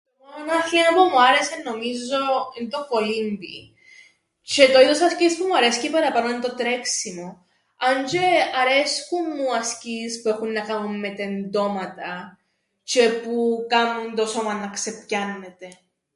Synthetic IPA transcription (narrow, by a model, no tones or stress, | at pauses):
t̪omoonɐxlinopumuaɾe̞seno̞mizo̞int̪okolimbi | t͡ʃet̪o̞iðosɐscispumuɐɾescipɐɾɐpanoint̪ot̪ɾeksimo | ɐɲt͡ʃeɐɾesxumːuɐscispue̞xunːɐkɐmumːe̞t̪end̪o̞mɐt̪ɐ | t͡ʃe̞pukɐmunt̪o̞so̞mɐnːɐksepcɐnːet̪e